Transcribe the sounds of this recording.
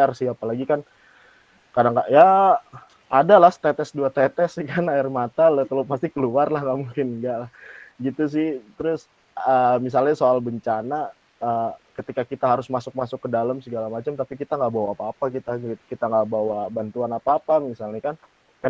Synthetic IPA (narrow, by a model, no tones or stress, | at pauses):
arsɪapalaɡikan | kadaŋkaʔja | adalahst̪ɛt̪ɛsduat̪ɛt̪ɛskanaɪrmat̪alət̪əlopast̪ikəluarlahŋaʔmuŋkɪnŋɡaʔlahɡit̪us̬ɪht̪əɾʊs | əmis̬alɲasoalbəɲt͡ʃana | əkət̪ikakit̪aɦaɾʊsmasʊk̚masʊkːədalamsəɡalamat͡ʃamt̪apikit̪aŋɡaʔbawaːpaːpakit̪at̪kit̪aŋɡaʔbawabant̪uanapaːpamisalɲakan | kan